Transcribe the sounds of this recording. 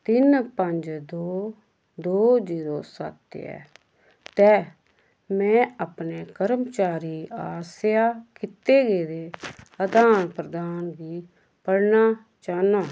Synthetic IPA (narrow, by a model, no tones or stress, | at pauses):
t̪ɪnpəɲd͡ʒd̪oː | d̪oːziːɾoːsa̰t̪ḛɛ̰ː | t̪ɛː | mɛ̃ːapneːkəɾəmt͡ʃaːɾiːaːsjaːkɪt̪eːɡeːɾeːəd̪aːnpɾəd̪aːnbiː | pəɽnaː | t͡ʃaːnaː